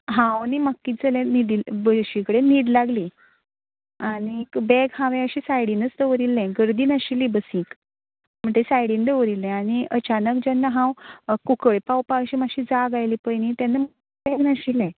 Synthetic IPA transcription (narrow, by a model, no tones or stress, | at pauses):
ɦãwniməkːiːd͡zəlẽniɽilbəɕikəɽeniːɽlaɡli | aɽ̃ikbɛɡhãʋɛ̃əɕiːsajɽinət͡sd̪əʋɾilːɛ̃ɡəɾd̪iːnaɕilibəsĩk | m̤əɳt̪esajɽind̪əʋɾilːɛ̃aɽ̃iʔət͡ɕanək̚d͡ʑanːaɦãwkukəɭpawpaɕiːmaɕiːd͡zaɡajlipəjnĩt̪janːamə | bɛɡnaɕilɛ̃